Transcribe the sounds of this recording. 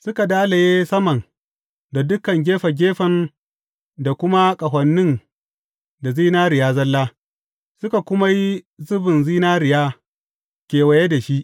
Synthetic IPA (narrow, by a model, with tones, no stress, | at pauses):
sʊ˦ka˨daː˦la˨jeː˦sɐ˦mɐ˨n | da˨dʊ˦kɐ˨ŋɡʲeː˦ɸɐ˨ɡʲeː˦ɸɐ˨n | da˨kʷʊ˦ma˦kʼɐ˨ɦʷɐ˨nːɪ˦n | da˨ziː˦naː˦ɾɪ˨jaː˦zɐ˦lːaː˦ | sʊ˦ka˨kʷʊ˦ma˦ji˦ | zʊ˦bɪ˨nziː˦naː˦ɾɪ˨jaː˦ | kʲeː˨wa˨je˦da˨ʃi˦ʔ